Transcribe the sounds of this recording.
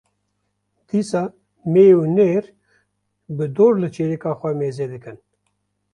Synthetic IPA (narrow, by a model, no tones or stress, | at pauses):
d̪̥iːsɑ | meːuneːɾ | bɨd̪oːɾlɨt͡ʃʰeːlekɑːxʷɛmeːzeːd̪ɨkɨn